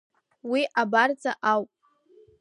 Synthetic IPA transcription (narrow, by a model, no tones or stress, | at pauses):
wiʔabard͡zʼaʔawpʼ